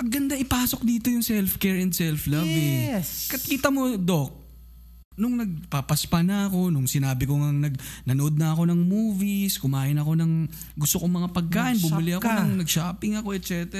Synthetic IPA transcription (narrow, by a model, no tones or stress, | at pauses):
pɐŋɡːɐnd̪aʔɪpaːso̞k̚d̪iːt̪o̞jʊŋsɛlfkɛɹɛnd̪sɛlflabɛkɐt̪̚kiːt̪ɐmo̞d̪o̞k̚ | nʊŋnɐɡ̚papɐspɐnɐɐko̞nʊŋsɪnaːbɪko̞ŋɐŋnɐɡ̚nɐnoʔo̞d̪̚nɐɐko̞nɐŋmuːviskʊmaːʔɪnɐko̞nɐŋ | ɡʊst̪okoŋmɐŋapɐɡ̚kaːʔɪnbʊmɪlɪʔɐkonɐŋnɐɡ̚ʃaːpɪŋɐko̞ʔɛt̪̚t͡ʃɛt̪ɛɾ